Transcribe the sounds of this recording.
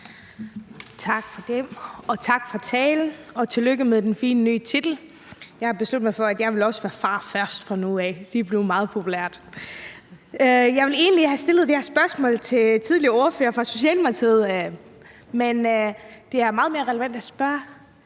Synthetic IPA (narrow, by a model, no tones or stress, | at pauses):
t͡sʰɑ̈ɡ̥fɒd̥emɒ̽t͡sʰɑ̈ɡ̥fɒt͡sʰɛːln̩ɒ̽t͡sʰe̝løɡ̥əmeðˠd̥enfiːnəny̰ːt͡sʰid̥l̩ | jɑɪhɑ̈b̥e̝slud̥̩ˠmɑɪfɒ̽æd̥jɑ̈ɪʋe̝lɒ̽səʋæːɐfɑ̈ːfɶɐsd̥fʁɑ̈nuɛd̥ib̥le̝ʊmɑ̈ːð̞̩ˠpʰo̝pʰulæɐ̰d̥ | jɑ̈ɪʋe̝le̝ːnəlihæsd̥e̝lð̩ˠd̥e̝hæɐsb̥ɶɐsmɔ̰̽ːlt͡sʰe̝t͡sʰið̞ˠlioɐfø̰ɐfʁɑ̈so̝ɕiɛ̰ːlmɑ̈t͡sʰið̞̰ˠ | mend̥e̝æɐmɑ̈ːð̞̩ˠme̝ɐʁɛləʋæn̰d̥æsb̥ɶɐ